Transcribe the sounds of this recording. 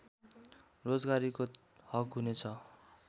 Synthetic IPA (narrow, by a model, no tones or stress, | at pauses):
rod͡zɡaɾiko | hʌkɦunet͡sʰʌ